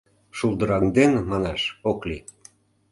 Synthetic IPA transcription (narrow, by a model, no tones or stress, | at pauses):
ʃulˠd̪ɤ̆ɾɑŋd̪enmɑneʃokli